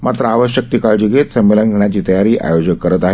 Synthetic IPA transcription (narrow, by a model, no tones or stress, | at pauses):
mat̪ɾəaʋəɕjək̚t̪ikaɭd͡ʑiɡʱet̪səmːelənɡʱeɳ̃jat͡ɕiːt̪əjaɾiːʔa̰jod͡ʑəkkːəɾət̪aɦe